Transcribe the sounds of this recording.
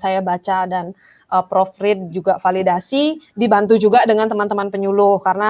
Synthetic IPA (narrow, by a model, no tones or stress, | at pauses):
sajabat͡ʃadan | ʔəpɾofɾɪt̪̚d͡ʒuɡafalidasidibant̪̬ud͡ʒuɡadəŋant̪əmant̪əmanpəɲulʊhkarəna